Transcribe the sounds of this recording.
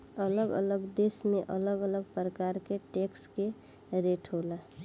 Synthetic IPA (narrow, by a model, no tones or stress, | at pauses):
ələɡə̰ləɡd̪esmẽʔələɡələɡpɾəkaɾkeʈekske | ɾeʈɦola